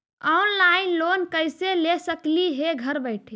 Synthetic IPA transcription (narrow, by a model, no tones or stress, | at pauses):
ɔnlainlonkəjselesəkliɦeɡʱəɾbəɪʈʰe